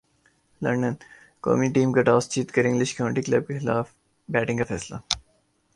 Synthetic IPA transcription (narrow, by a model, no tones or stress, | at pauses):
lɐɳɖən | ko̰ːmiʈiːmkaʈaːst͡ʃiːt̪kɐɾɪ̃ŋɡlɪʃkoːnʈiklɐb̚kexɪlaːf | bɛːʈɪ̃ŋkafɛːsla̰